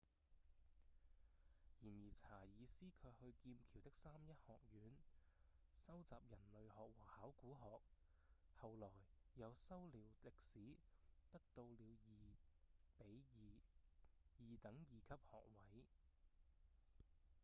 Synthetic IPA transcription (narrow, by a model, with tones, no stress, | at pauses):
jiː˨˩njiː˨˩t͡sʰaː˨˩jiː˨˧siː˥kʰɵ˨˧ɥhɵ˧ɥkiː˧mkʰiː˨˩wt̪ɪ˥k̚saː˥mjɐ˥t̚hɔː˨k̚jyː˨˥n | sɐ˥wt͡saː˨p̚jɐ˨˩nlɵ˨ɥhɔː˨k̚wɔː˨˩haː˨˥wkuː˨˥ɦɔː˨k̚ | hɐ˨wlɔː˨˩jːɐ˨˧wsɐ˥wliː˨˧wlɪ˨k̚siː˨˥t̪ɐ˥k̚t̪o˧wliː˨˧wji˨˩pe˨˥j | jiː˨t̪ɐ˨˥ŋjiː˨kʰɐ˥p̚hɔ̰ː˨k̚wɐ˨˥j